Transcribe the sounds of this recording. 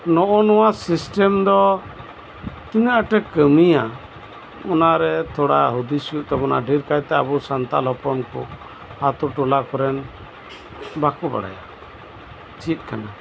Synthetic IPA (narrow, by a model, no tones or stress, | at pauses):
nɔʔɔnɔwasisʈɛmd̪ɔ | t̪inaʔəʈɛkəmija | ɔnaɾɛt̪ʰɔɽa̰ɦud̪isuʔ̚t̪ɔbɔna̰ɖʱiɾkajt̪ɛabusant̪alɦɔpɔnkɔ | hat̪uʈulakɔɾɛn | bakuba̰ɽa̰ja̰ | t͡ʃit̪̚ˀkʰana